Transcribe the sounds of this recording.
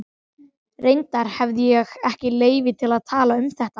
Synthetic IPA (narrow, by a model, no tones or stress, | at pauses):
rejnt̪aɾ̥hɛvðɪjɛɣɛhcɪleːjvɪt̪ʰɪlaðt̪ʰaːlaʏmθɛht̪a